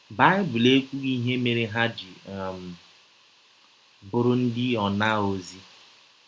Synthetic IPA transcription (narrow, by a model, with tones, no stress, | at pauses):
ba˦ɪ˦bʊ˨le˦kʷu˦ɣi˦ɦe˦me˨ɾɪ˦ɦa˦d͡ʒɪ˨m̩˨ | bʊ˨ɾʊ˦n̩˦dɪ˦ɔ˨na˦˨o˨zi˦